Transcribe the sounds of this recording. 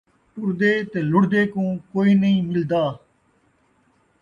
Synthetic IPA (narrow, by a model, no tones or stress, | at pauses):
pʊɾd̪eːt̪eːlʊɽd̪eːkũːkoːiːnəĩːmɪld̪aː